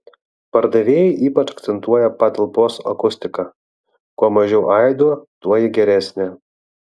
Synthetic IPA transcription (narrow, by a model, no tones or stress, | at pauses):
pɐɾd̪ɐʋʲeːjɛɪʔiːpɐt͡ʃɐ̥kt̪sʲɛnt̪uɔjɛpɑːt̪ʲɐlˠpoːsɐ̰kʊsʲt̪ʲɪkɐ | kuɔmɐʒʲɛʊʔɑˑɪd̪uːt̪uɔjɪɡʲɛɾʲæsʲnʲɛː